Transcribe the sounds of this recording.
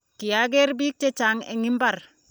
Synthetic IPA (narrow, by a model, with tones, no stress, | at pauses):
ki˨ja˦ɡe˦ɾbi˦k̚te˦t͡ʃa˨˦ŋḛ˨ŋi˦mba˦˨ɾ